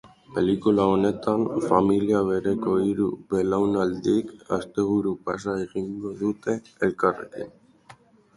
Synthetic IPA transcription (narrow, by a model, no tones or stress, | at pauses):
pelikulaonet̪anfamiljaβeɾekoiɾubelawnald̪ika̰st̪eɣuɾupasaiɣiŋɡoðut̪e | elkarḛkḭn